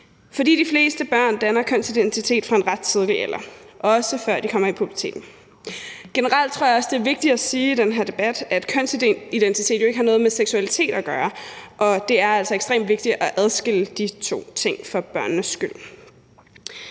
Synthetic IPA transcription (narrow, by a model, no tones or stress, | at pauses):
fɒ̽d̥ḭːd̥ifle̝̰ːsd̥əb̥ɶɐ̰nd̥ænɐkʰøn̰sid̥ent͡sʰit͡sʰe̝̰ːd̥fʁɑ̈e̝nʁɑd̥̚t͡sʰið̞ˠliel̰ɐʔɒ̽səfɶɐ̰d̥ikʰɒ̽m̰ɐipʰʁub̥ɐ̥t͡sʰe̝̰ːd̥n̩ | ɡ̥e̝nəʁɑ̈l̰d̥̚t͡sʰʁoɐ̰jɑɒ̽sd̥e̝æɐʋe̝ɡ̥̚d̥id̥æsiːid̥enɦæɐ̰d̥e̝b̥æd̥æd̥kʰøn̰siid̥ent͡sʰit͡sʰe̝̰ːd̥joe̝ɡ̥hɑ̈nɔ̽ːð̞̩ˠmeseɡ̥suælit͡sʰe̝̰ːd̥ɒɡ̥ɶːɐʔɒ̽d̥e̝æɐæl̰sɒ̽eɡ̥sd̥ʁḛːmd̥ʋe̝ɡ̥̚d̥i̥ɒʔæð̞ˠsɡ̥el̰əd̥it͡sʰo̝̰ːt͡sʰe̝ŋ̰fɒ̽b̥ɶɐ̰nːəsɡ̥yl̰